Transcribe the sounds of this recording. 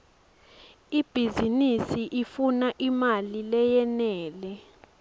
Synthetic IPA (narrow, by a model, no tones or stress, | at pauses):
ib̥ʱizinisiʔifunaʔimalilɛjɛnɛːlɛ